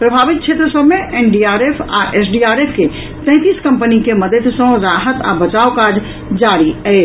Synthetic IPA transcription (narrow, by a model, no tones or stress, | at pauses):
pɾəbʱabit̪̚t͡ʃʰet̪ɾəsəbʱmeʔenɖiaɾepʰa̰ʔesɖiaɾepʰke | t̪ɛ̃ɪ̃t̪iskəmpənikeməd̪əd̪sə̃ɾaɦət̪a̰bət͡ʃaokad͡ʒ | d͡ʒaɾiəɪ